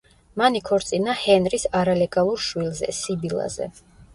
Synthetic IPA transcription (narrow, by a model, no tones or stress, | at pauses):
manikʰɔɾt̪sʼinahɛnɾisaɾalɛɡalˠuɾʃwilzɛ̰sibilˠa̰zɛ̰